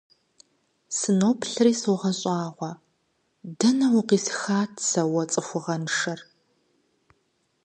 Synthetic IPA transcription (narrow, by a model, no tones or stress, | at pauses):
sɨnoːpɬɨriːsɨwʁɐɕʼɑːʁʷɔ | dɐnɐwʊqiːsxaːtʰsɐwɐt͡sʼɨxʷʊʁɐnʂɐr